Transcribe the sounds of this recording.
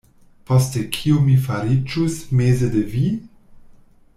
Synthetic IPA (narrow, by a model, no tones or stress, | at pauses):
postekʰiumifaɾit͡ʃusmezedevi